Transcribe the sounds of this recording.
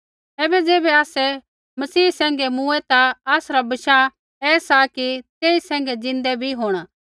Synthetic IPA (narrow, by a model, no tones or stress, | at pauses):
ɛːbɛd͡zeːbɛaːsɛ | mɐsiːsɛ̃ːŋ̆ɡɛmũɛt̪aaːsɾabɐʃa | ɛːsakit̪eːisɛ̃ːŋɡɛd͡zɪ̃nd̪ɛbʱiɦoːɽ̃aː